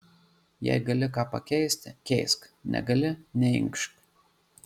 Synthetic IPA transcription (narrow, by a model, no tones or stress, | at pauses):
jɛ̰ɪɡɐlʲɪkɑːpɐ̰kʲɛɪsʲt̪ʲkʲɛɪsknʲʔɛ̰ɡɐlʲɪnʲɛɪ̰ŋkʃk